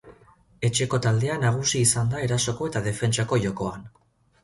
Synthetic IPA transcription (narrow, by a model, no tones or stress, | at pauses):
e̞t͡ʃe̞ko̞t̪ald̪e̞anaɣ̞usiːsand̪ae̞ɾaso̞ko̞e̞t̪að̞e̞fe̞nt͡ʃako̞ʝo̞ko̞an